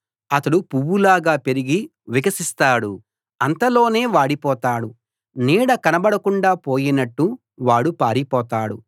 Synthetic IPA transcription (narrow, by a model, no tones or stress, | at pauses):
ɐt̪ɐɽupuwːulaːɡaːpe̞ɾiɡi | ʋiɡɐsist̪aːɽu | ɐnt̪ɐlo̞ːne̞ːʋaːɽipɔːt̪aːɽu | niːɽɐkɐnɐbɐɽɐkuɳɖaːpo̞ːjinɐʈːu | ʋaːɽupaːɾipɔːt̪aːɽṵ